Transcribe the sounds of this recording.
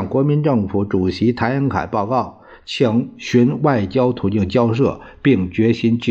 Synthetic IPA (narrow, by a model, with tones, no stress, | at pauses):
ŋkwɔ˧˥mi˧˥nʈ͡ʂɤ˥˩ŋfu˧˥ʈ͡ʂu˨˩ɕi˧˥t̪ʰa˧˥ɪa˧˥ŋkʰa̰˨˩ɪpɑ˥˧ʊkɑ˥˩ʊ | t͡ɕʰi˧˥ŋɕy˧˥nwa˥˩ɪt͡ɕjɑ˥ʊt̪ʰu˨˧˥t̪i˥˩ŋt͡ɕjɑ˥ʊʂ̬ɤ̰˥˩ | pi˥˩ŋt͡ɕɥɛ˧˥ɕi˧˥nt͡ɕ